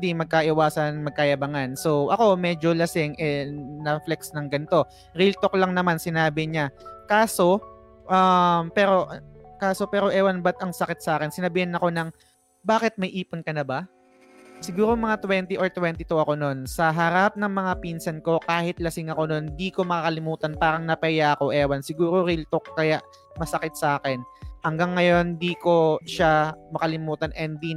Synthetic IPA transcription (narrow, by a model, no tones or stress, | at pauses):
d̪imɐɡ̚kɐʔɪwaːsɐnmɐɡ̚kɐjɐbɐŋanso̞wʔɐko̞mɛːd͡ʒo̞lɐsɪŋʔɛnɐflɛksnɐŋɡɐnt̪o̞ | ɾilt̪oklɐŋnɐmansɪnaːbɪɲakaːso̞ | ʔɐmpɛːɾo̞kaːso̞pɛːɾo̞ʔɛːwɐnbɐt̪ɐŋsɐkɪt̪̚sɐʔaːkɛnsɪnɐbiːhɪnːɐko̞nɐŋ | baːkɪt̪̚mɐjʔiːponkɐnɐba | sɪɡuːɾoŋmɐŋat̪wɛnt̪ɪʔoɹt̪wɛnt̪ɪt̪oʔɐko̞no̞nsɐɦɐɾap̚nɐŋmɐŋapinsɐnko̞kaːhɪt̪lɐsɪŋɐko̞no̞nd̪iːko̞mɐkakɐlɪmuːt̪ɐnpaːɾɐŋnɐpɛjaʔɐko̞ʔɛːwɐnsɪɡuːɾo̞ɾilt̪ok̚kːɐjaʔ | mɐsɐkɪt̪̚sɐʔaːkɛnhɐŋɡaŋːɐjo̞nd̪iːko̞ʃamɐkɐlɪmuːt̪ɐnʔɛnd̪i